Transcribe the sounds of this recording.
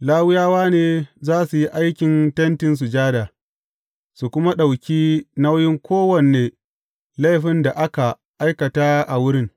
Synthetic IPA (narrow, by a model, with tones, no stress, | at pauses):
laː˦wɪ˦jaː˦waː˦neː˨zaː˦su˨ji˦ʔa˦jkʲɪ˨ntɐ˦ntɪ˨ns̬u˨d͡ʒaː˦da˨ | su˨kʷʊ˦ma˦ɗa˨wkʲiː˦na˦wjɪ˦ŋkʷoː˦wɐ˨neː˨ | la˦jɸɪ˦nda˨ʔa˦ka˨ | ʔa˦jkɐ˨ta˦ʔa˨wʊ˦ɾɪ˦ŋ